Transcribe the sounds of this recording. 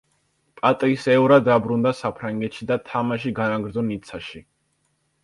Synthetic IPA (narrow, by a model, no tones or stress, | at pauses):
pʼat̪ʼisɛuɾad̪abɾund̪asapʰɾaŋɡɛt̪ʃid̪at̪ʰamaʃ̬iɡanaɡɾd̪zɔnit̪sʰaʃi